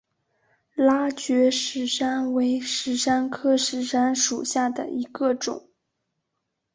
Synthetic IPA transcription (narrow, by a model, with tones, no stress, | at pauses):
la˥t͡ɕɥɛ˧˥ʂɻ̩˧˥˩ʂa˥nwe˧˥ɪʂɻ̩˧˥ʂa˥nkʰɤ˥ʂɻ̩˧˥˩ʂa˥nʂu˨˩ɕja˥˩d̪ə̰˨˩i˧˥ɡə˧ʈ͡ʂʊ̰˨˩˦ŋ